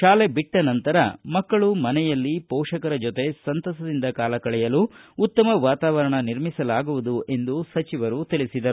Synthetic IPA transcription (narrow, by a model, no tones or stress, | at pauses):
ʃaːle̞biʈːɐnɐnt̪ɐɾɐ̰mɐkːɐɭumɐnɛjɐlːipɔːʂɐkɐɾɐd͡ʒot̪e̞sɐnt̪ɐsɐd̪ind̪ɐkaːlɐkɐɭɛjɐluːt̪ːɐmɐʋaːt̪aːʋɐɾɐɳɐniɾmisɐlaːɡuʋud̪uʔe̞nd̪usɐt͡ʃiʋɐɾut̪iɭisid̪ɐɾu